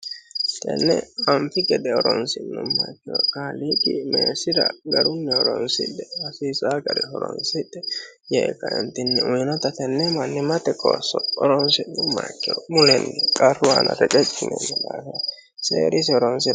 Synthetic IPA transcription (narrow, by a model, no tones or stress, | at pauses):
t̪ɛ̰nːɛ̰ɐnfɪɡɛd̪ɛɔɾɔnsɪnːʊmːakːɪjɔkaːliːkʼɪmeːsɪɾɐ̰ɡɐɾʊmːɛɔɾɔnsɪ̰d̪ːɛɐsiːsaːɡɐɾɛhɔɾɔ̰nsɪd̪ːɛ | jeːkːɐɪnt̪ːɪnːɛʊjnɔt̪ɐt̪ɛnːɛmɐnːɪmɐt̪ɛkʼo̰ːsːɔɔɾɔnsɪʊmːa̰kːɪjɔmʊlɛnːɛkʼɐrʊwanɐ̰ɾɛt͡ʃʼɛtʼːɪnɛ̰nːɛd̪aːfɐ | sḛːɾɪsɪɔɾɔnsɪ